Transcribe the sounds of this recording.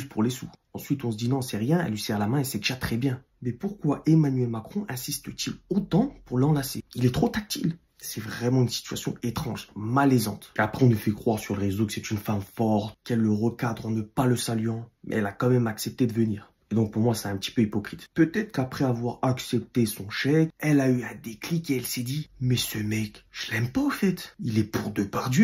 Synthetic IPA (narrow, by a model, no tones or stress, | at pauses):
spʰuʁlesuɑ̃sɥit̪ɔ̃s̬əd̪inɔ̃sɛʁjɛ̃ɛ̰lːɥisɛʁlamɛ̃esɛʒat̪χɛbjɛ̃ | mɛpuʁkwaʔemanɥɛlmakχɔ̃ʔɛ̃sist̪ət̪ʰilot̪ɑ̃puʁlɑ̃laseilɛt̪χot̪ak̚t̪il | sɛvʁɛmɑ̃ynsi̥t̪y̥a̰sjɔ̰̃et̪χɑ̃ʒmalɛzɑ̰̃t̪eapχɛɔ̃nufɛkχwaʁsyʁləʁezokə̥sɛt̪ynfamfɔʁt̪kɛlːəʁəkad̪ʁɑ̃nəpaləsalɥɑ̃mʔɛ̰ɛlakɑ̃mɛmaksɛp̚t̪ed̪əvəniːʁ | ed̪ɔ̃k̚puʁmwasɛ̥ɛ̃pət̪i̥pøipɔkχit̪pøt̪ɛt̪χə̥kapχɛavwaʁaksɛp̚t̪esɔ̃ʃɛkɛlayɛ̃d̪eklikeɛlsɛd̪imɛsəmɛkʒ̥əlɛmpaɔfɛt̪ilɛpʰuʁd̪əpaʁd̪jø